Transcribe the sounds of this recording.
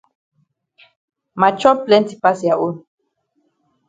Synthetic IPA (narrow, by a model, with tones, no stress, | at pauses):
ma˨t͡ʃɔ˦plɛ˦nti˨pa˦sja˨ʔu˦n